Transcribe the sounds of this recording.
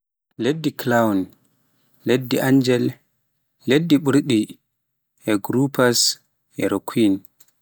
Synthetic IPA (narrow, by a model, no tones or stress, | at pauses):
ledːiklawn | ledːiʔaɲd͡ʒɛlː | edːiɓuɾɗi | ʔɛɡɾupas | ɛɾokʰwin